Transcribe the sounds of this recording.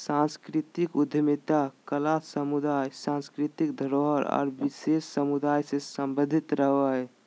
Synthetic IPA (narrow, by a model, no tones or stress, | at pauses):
sãnskɾit̪ikud̪ʱəmit̪akəlasəmud̪ajsãnskɾit̪ikd̪ʱəɾoɦəɾɔ̰ːɾbisessəmud̪ajsẽsəmbəd̪ʱit̪ɾəɦwa